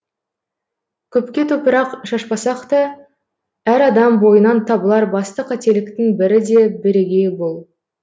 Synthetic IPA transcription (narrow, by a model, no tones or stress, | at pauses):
kʲʰɵp̚kʲe̞t̪ʰɵpəɾɑqʃɑʃpɑsɑqt̪ə | æɾɑd̪ɑmbo̞jənɑnt̪ʰɑbəlˠɑɾbɑst̪əqʰæt̪e̞lɪk̚t̪ɪŋbɪɾɪd̪e̞bɪɾeɡʲe̞bolˠ